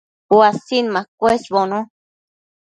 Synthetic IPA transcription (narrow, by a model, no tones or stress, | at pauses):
wasinmãkʷesβonõ